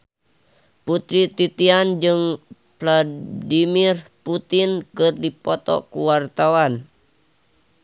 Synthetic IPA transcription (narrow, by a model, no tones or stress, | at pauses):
put̪ɾit̪it̪iand͡ʒɨŋ | pladimirput̪inkɨrdipɔt̪ɔ̰kuwart̪awan